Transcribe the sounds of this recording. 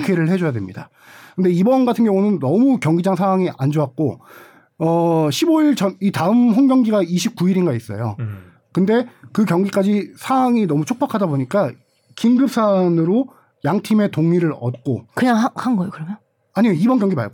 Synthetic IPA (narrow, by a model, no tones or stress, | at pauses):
kʰeɾɯɭhe̞d͡ʑʌjadwemɲida̰ | kɯnde̞ibʌnɡatʰɯnɡjʌŋunɯnːʌmukjʌŋɡid͡ʑaŋsʰaŋɦwaŋiʔa̰nd͡ʑoɦak̚k͈o | ʌɕʰiboiɭt͡ɕʰʌnitaɯmɸoŋɡjʌŋɡiɡaiɕʰip̚k͈uiɾinɡais͈ʌ̰jo̰ | kɯnde̞kɯkjʌŋɡik͈ad͡ʑisʰawaŋinʌmut͡ɕʰok̚p͈akʰadaboɲik͈a | kinɡɯp̚s͈anɯɾo | jaŋtʰime̞toŋiɾɯɾʌt̚k͈o̰kɯɲaŋhanɡʌjokɯɾʌmjʌn | aɲimeibʌnɡjʌŋɡima̰ɭɡo